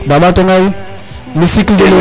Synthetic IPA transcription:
baɓatoŋai | misikl̩delo

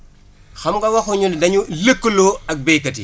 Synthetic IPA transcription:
xɐmɡɐwɐxuɲundɐɲuləkːəloɐk̚bɛjkːɐtḭ

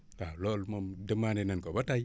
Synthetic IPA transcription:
kalolmomdəmanenankobataji

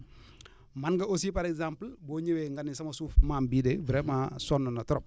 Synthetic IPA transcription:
manɡɐos̬iːpaɾɛkzamplboːɲeweŋɡanisɐmosuːfmambiːdebɾemasɔnːɔnatɔɾɔp̚

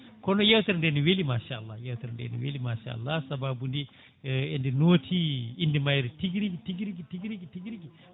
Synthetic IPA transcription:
kɔnojewt̪ɐɾndeniwelimaːʃaalːajewt̪ɐɾndḛnḭwelimaːʃa̰ːa̰lːasɐbabundi | endinuwɐtʰiindimajɾitiɡɾikitiɡ̬ɾkitiɡɾikitiɡɾiki

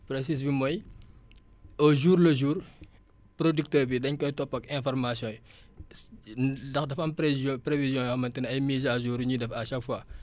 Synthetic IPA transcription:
pɾes̬isbimɔj | ɔʒuːɾləʒuːɾ | pɾodyk̚təːɾbidɐɲkɔjtɔpːɐkɛ̃fɔɾmasjɔ̃ːj | dɐxdɐfɐmppɾevizjɔ̃jɔxɐmɐntɛnɐjmizaʒuːɾɲudɛfaʃakfwaː

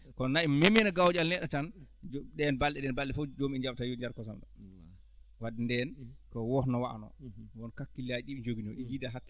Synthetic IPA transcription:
kɔnaimemɛnaɡawd͡ʒalnɛɗatand͡ʒɗɛnbalɗɛɗɛnbalɗɛfɔd͡ʒomiɛɲd͡ʒab̚tajuɲd͡ʒaɾkɔs̬amɗɔ̰ | wadindɛnkɔwɔhnɔwaa̰nɔ̰wɔnkakːilad͡ʒiɗiɓid͡ʒoɡinɔʔid͡ʒidaɦakː

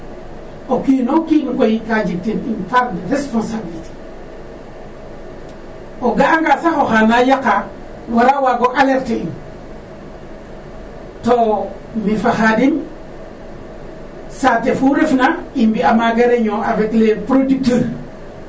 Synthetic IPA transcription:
okinokiŋkojikad͡ʒik̚tininfaɾdɾesponsabiliti̥ | oɡaŋɡasaxoxanajaka | waɾawaɡoʔaleɾtein | to | mifaxadin | satefuɾefnaimbiamaɡeɾeɲoʔaveklepɾodik̚teɾ

